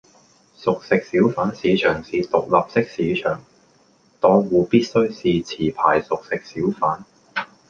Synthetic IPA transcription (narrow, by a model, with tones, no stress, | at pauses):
sʊ˨k̚sɪ˨k̚siː˨˥wfaː˨˥nsiː˨˧t͡ʃʰœː˨˩ŋsiː˨t̪ʊ˨k̚lɐ˨p̚sɪ˥k̚siː˨˧˥t͡ʃʰœ̰ː˨˩ŋ | t̪ɔː˨˧ŋwuː˨˧piː˥t̚sɵ˥ɥsiː˨t͡sʰiː˨˩pʰa̰ː˨˩jsʊ˨k̚sɪ˨k̚siː˨˥wfaː˨˥n